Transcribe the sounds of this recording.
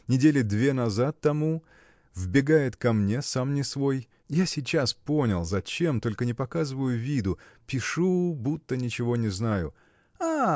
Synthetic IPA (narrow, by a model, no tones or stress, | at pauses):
nʲɪdʲelʲɪd̪vʲe̞nɐzat̪ːɐmu | vbʲɪɡajɪt̪kɐmnʲe̞samnʲɪsvo̞j | jasʲɪt͡ɕaspo̞nʲɪlˠzɐt͡ɕe̞mt̪o̞lʲkənʲɪpɐkazɨvəjʊvʲid̪ʊpʲɪʂubut̪ːənʲɪt͡ɕɪvo̞nʲɪznajʊ̰ | a